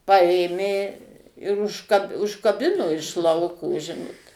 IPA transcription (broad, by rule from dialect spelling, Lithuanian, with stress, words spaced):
ˈpɐeːmʲeː ɪr ʊʃkɐ ʊʃkɐˈbʲɪnoː ɪʃ ˈlˠɐʊkoː ˈʒʲɪnoːt